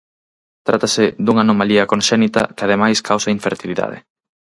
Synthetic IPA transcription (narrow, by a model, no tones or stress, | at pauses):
t̪ɾat̪asɪðuŋanomaliɐkõnʃɛnit̪ɐ̰kɪaðemajskʰawsaiɱfeɾt̪iliða̰ðɪ̰